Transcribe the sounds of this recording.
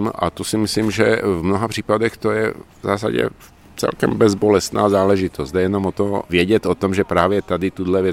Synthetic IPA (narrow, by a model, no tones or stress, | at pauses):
mʔa̰t̪osimisliːmʒɛvmnɔɦapr̝̥iːpad̪ɛxt̪ojɛvza̰ːsa̰ɟɛ̰ | t͡sɛ̰lkɛ̰mbɛzbɔlɛst̪na̰ːzaːlɛʒit̪ɔsd̪ajɛnɔmɔt̪ɔvɪɛɟɛt̪ɔt̪ɔmʒɛpɾaːʋjɛt̪ad̪it̪ud̪lɛʋjɛ